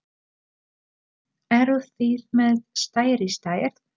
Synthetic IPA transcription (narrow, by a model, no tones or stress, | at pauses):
ɛɾʏθiɾmɛðst̪aːjɾist̪aːjɛɾ̥